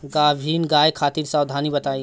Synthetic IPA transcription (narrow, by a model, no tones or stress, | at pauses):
ɡabʱinɡajkʰaːt̪iɾsawd̪ʱanibət̪aj